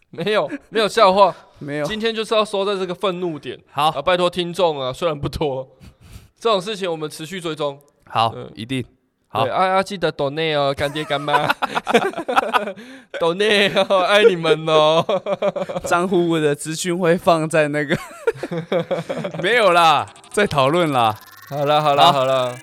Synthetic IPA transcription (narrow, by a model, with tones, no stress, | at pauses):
me˨˧˦ɪjo˨˩ʊme˧˥ɪjo˨˩ʊɕjɑ˥˧ʊxwa˥˩me˨˦ɪjt͡ɕi˦nt̪ʰjɛ˥nt͡ɕo˥˧ʊʂ̩˥˧jɑ˥˧ʊswɔ˥t͡sa˥˧ɪt͡sə˥˩ɡə˨fə˥˧nnu˥˩t̪jɛ̰˨˩˦nha˨˦ʊə˨˩pa˥˧ɪt̪ʰɔ˥t̪ʰi˦ŋt͡sɔ˥˨˩ŋa˨swe˥ɪɻa˧˦np̬u˥˩t̪ʰwɔ˦ | t͡sə˥˩ʈ͡ʂo˨˩ŋʂ̬ɻ̩˥˩t͡ɕʰi˨˦ŋwɔ˨˩mə˦nʈ͡ʂʰɻ̩˧˦ɕy˥˧t͡swe˥˧ɪt͡so˦ŋ | ha˨˩˦ʊ̰˨˩ḭ˧t̪i˥˨˩ŋ | ha˨wɪʔa˥˧a˦t͡ɕi˥˩d̪ə˨˦t̪ɔ˨˩ne˥˩ɔ˨˩ka˨˦nt̪jɛ˧˩ka˧˦nma˦ | ɔ˨˩ne˥˧a˥˩ɪni˨˩mə˨nɔ˨˦ | t͡sɑ˦ŋxu˥˦wə˨˩d̪ə˨˩t͡sɹ̩˧˦ɕy˥˧nxwe˥˧ɪfɑ˥˧ŋt͡sa˥˧ɪna˥˩ɡə˩ | me˨˦ɪjo˨˩ʊla˨ | t͡sa˥˩ɪt̪ʰɑ˨˩ʊlwə˥˨nla˨˩ | hɑ˨˩ʊla˧ɦɑ˨˩ʊla˧˦hɑ˨˩la˧